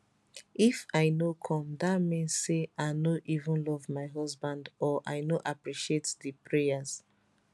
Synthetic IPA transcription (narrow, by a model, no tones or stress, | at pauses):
ifaɪnokʰɔ̃mdamɛ̃nseʔaɪnoʔivə̃nlɔvmaɪɦɔsbãndɔʔaɪnoʔapɹiʃietðəpʰɹejaz̥